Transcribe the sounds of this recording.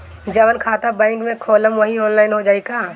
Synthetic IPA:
d͡ʒəʋənkʰaːt̪abãːŋkmẽkʰoːləmʋɐɦioːnlaːɪnɦod͡ʒaːikaː

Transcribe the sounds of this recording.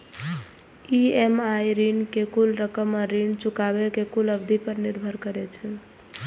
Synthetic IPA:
iemaiɾinkekulɾəkəməɾːint͡ʃukabekekuləbd̪ʱipəɾniɾbʱəɾkəɾɛt͡ʃʰə

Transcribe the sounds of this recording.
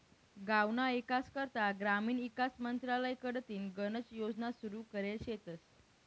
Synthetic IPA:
ɡawnaikaskəɾt̪aɡɾamiːnʋikasmənt̪ɾaləjkəɽt̪iːnɡənət͡sjod͡znasuɾuːkəɾelɕet̪əs

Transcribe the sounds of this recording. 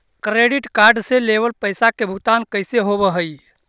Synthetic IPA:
kɾeɖiʈkaɾɖseleβəlpəjsakebʱut̪ankəjseɦobəɦəj

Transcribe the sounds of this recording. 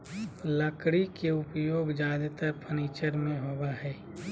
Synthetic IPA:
ləkɽikeʊpjoːɡd͡ʒaːd̪ʱt̪əɾpʰəniːt͡ʃəɾmẽɦoːbaɦɛː

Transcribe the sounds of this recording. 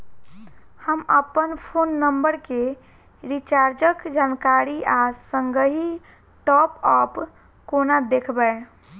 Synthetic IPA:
həməpənpʰonːəmbəɾke | ɾit͡ʃaɾd͡ʒəkd͡ʒankaɾiʔasəŋɡəɦi | ʈɔpɔp | konad̪ekʰbə

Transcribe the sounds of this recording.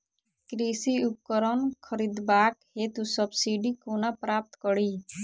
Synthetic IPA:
kɾisiup̚kɔɾɔnkʰɔɾid̪baːkhet̪usɔbsiɖikonapɾaːp̚t̪kɔɽi

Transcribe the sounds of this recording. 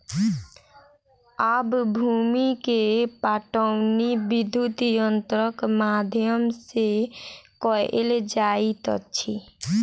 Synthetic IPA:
abbʱumikepaʈəwnibid̪ʱjut̪jənt̪ɾəkmad̪ʱijəmsekɔeld͡ʒait̪ə̰t͡ʃʰi

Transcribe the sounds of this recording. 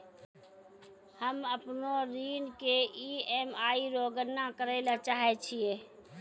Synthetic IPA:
həməpnoɾiːnkeiemaiɾoɡənːakəɾɛɪlat͡ʃaɦɛt͡ʃʰije

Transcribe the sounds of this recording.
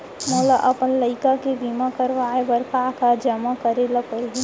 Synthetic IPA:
moːlaʔɐpənləɪkakebimakəɾʋaːebəɾkakad͡ʒəmakəɾeləkəlɦi

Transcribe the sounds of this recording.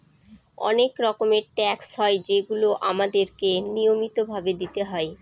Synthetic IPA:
ɔ̰nekɾɔkomeɾʈɛksɦɔed͡ʑeɡuloʔamad̪eɾkenijomit̪obʱabed̪it̪eɦɔe

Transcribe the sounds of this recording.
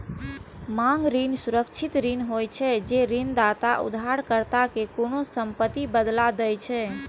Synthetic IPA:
maŋɡɾinsuɾəkt͡ʃʰit̪ɾinɦojt͡ʃʰɛd͡ʒeɾind̪at̪aʔṵd̪ʱɦaɾkəɾt̪akekonosəmpət̪ːibəd̪lad̪əjt͡ʃʰɛ

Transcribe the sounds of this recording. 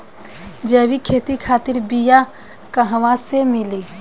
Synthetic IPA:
d͡ʒɛːwikʰeːt̪ikʰaːt̪ɪɾbija | kəɦʋãsemɪli

